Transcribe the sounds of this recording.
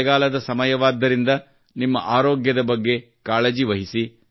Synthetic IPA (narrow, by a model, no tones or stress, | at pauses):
ɡaːlɐd̪ɐsɐmɐjɐʋaːd̪ːɐɾind̪ɐ | nimːɐ̰ʔaːɾoːɡjɐd̪ɐbɐɡːe̞ | kaːled͡ʒiʋɐɦisi